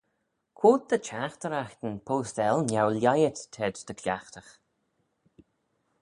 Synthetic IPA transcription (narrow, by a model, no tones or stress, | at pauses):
kʰwoːt̪̚d̪̥ət͡ʃaxt̪əɾaxt̪ənpʰoːst̪ɛlnjawljajət̪tʰɛdd̪̥əkʰlʲaxt̪əx